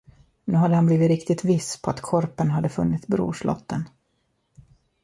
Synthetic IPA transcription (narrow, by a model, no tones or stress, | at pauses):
nʉ̟ːɦad̪ːəhanbliːvɪt̪ɾɪkt̪ɪt̪vɪspʰɔat̪kʰɔɾpənɦad̪ːəfɵnːɪt̪sbɾṵːʂlʔɔ̰t̪ʰːən